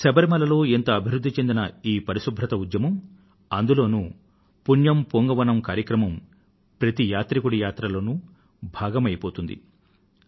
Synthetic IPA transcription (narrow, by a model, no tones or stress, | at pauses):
sɐbɐɾimɐlɐlo̞ːent̪ɐːbʱiɾud̪ʱːit͡ʃe̞nd̪inɐiːpɐɾisubʱɾɐt̪ɐud̪jɐmɐm | ɐnd̪ulo̞ːnu | punjɐmpoŋɡɐʋɐnɐmkaːɾjɐkɾɐmɐm | pɾɐt̪ijaːt̪ɾikuɽijaːt̪ɾɐlo̞ːnu | bʱaːɡɐmɐjipo̞ːt̪und̪ḭ